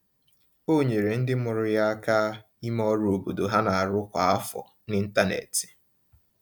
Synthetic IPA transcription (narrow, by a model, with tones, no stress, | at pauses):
o˦ɲe˨ɾe˨n̩˦dɪ˦mʊ˨ɾʊ˦ja˦a˦ka˦ | i˦m˦ɔ˦ɾo˨bo˨do˨ɦa˦na˨a˨ɾʊ˦kʷa˨a˦fɔ̰˨ | nɪ˦n̩˦ta˦nḛ˨ti̥˨